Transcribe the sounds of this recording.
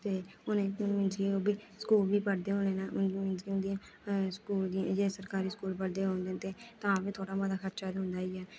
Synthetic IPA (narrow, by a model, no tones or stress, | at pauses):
t̪eːʊnẽːmɪ̃nd͡ʒioːbiːsə̥kuːlbiːpəɽd̪eːɦõːnd̪eːnaːmɪ̃nd͡ʒiːʊ̃nd̪iã | skuːld̪ĩd͡ʒeːsəɾkaːɾiːskuːlpəɽd̪eːɦõːnd̪eːt̪eːt̪ãːʋĩːt̪ʰoːɽaːmãd̪aːkʰəɾt͡ʃaːd̪ɦʊ̃nd̪aːiːɛː